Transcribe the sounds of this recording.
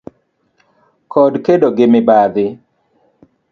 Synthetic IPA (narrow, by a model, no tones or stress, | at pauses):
kʰɔdkedoɡɪmɪbad̪ɪ